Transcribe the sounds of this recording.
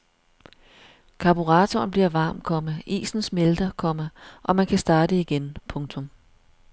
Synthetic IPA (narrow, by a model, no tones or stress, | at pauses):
kʰɑ̈b̥uʁɑ̈ːt͡sʰɔnb̥liɐʋɑ̈ːmkʰɒ̽məḭːsn̩smeld̥ɐkʰɒ̽m̰ɐʔɒ̽mænkʰæsd̥ɑ̈ːd̥əiɡ̥enpʰɔ̽ŋt͡sʰɔ̽m